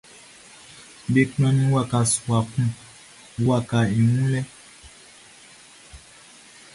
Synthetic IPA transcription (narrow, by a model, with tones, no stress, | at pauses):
be˨knɔ̃˦nĩ˦wa˨ka˨su˨a˨kũ˦ | wa˦˨ka˨i˨mũ˦lɛ˦